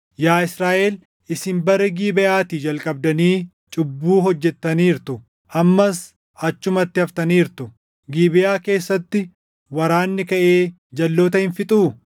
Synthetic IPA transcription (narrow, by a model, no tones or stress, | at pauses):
jaːɪsɾaːʔel | ɪsɪmbɐɾɛɡiːbɪʔaːt̪iːd͡ʒɐlkʼɐb̚d̪ɐniː | t͡ʃʼʊbːuːɦɔd͡ʒːɛt̪ːɐniːɾt̪ʊ | ʔɐmːɐs | ɐt͡ʃːʊmɐt̪ːɪɐft̪ɐniːɾt̪ʊ | ɡiːbɪjaːke̞ːsːɐt̪ːɪ | wɐɾaːnːɪkɐʔeː | d͡ʒɐlːoːt̪ɐhɪnfɪt̪ʼuː